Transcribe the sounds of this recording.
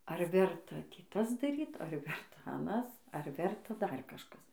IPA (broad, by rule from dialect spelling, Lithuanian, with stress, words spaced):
ɐr ˈʋʲɛrtɐ ˈtʲiː ˈtɐs dɐˈrʲiːt ɐr ˈʋʲɛrtɐ ɐˈnɐs ɐr ˈʋʲɛrtɐ ˈdɐr kɐʃˈkɐs